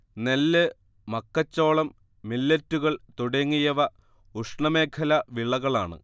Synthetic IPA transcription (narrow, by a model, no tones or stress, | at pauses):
nelːɨ | mɐkːɐt͡ɕːo̞ːɭɐmː | ilːɐtːuɣɐɭt̪uɽeŋːijɐʋɐ | uʂɳɐme̞ːkʰɐlɐʋiɭɐɣɐɭaːɳɨ̰